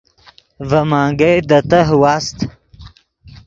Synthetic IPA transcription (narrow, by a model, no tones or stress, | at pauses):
vɐmaːŋɡejd̪ɐt̪ɐɦwaːst̪